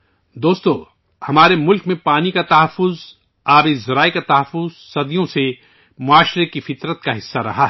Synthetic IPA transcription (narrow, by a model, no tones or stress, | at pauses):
d̪oːst̪õ | hɐmaːɾemʊlkmẽpaːnikat̪ɐɦəfːʊz | aːbezɐɾaːikat̪ɐɦəfʊz | sɐd̪ijõse | mʊaːʃɾekifɪt̪ɾət̪kaɦɪsːaɾɐ̰ɦaɦ